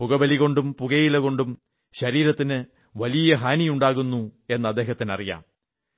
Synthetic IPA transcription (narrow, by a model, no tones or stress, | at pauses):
puɣɐbɐliɣo̞ɳɖumpuɣɐjilɐɣo̞ɳɖum | ɕɐɾiːɾɐt̪ːinɨ | ʋɐlijɐɦaːnijuɳɖaːɣunːue̞nːɐd̪ːe̞ːɦɐt̪ːinɐ̰rija̰ːm